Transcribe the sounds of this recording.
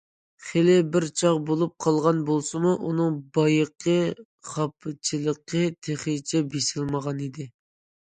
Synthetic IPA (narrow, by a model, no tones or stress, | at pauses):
χelɪbɪɾt͡ʃʰɑqbolˠup̚qʰɑlˠʁɑnbolˠsɨmuʔunɨŋbɑjəqʰːə | χɑpʰːɨt͡ʃʰilˠəqʰːət̪ʰeχɪt͡ʃʰɛbesɪlməʁɑnid̪ɪ